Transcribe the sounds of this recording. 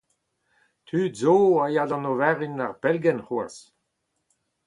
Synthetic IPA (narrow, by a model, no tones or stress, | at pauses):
t̪ʰyːdzoːajadɑ̃novɛʁinaʁpɛlɡɛnχwas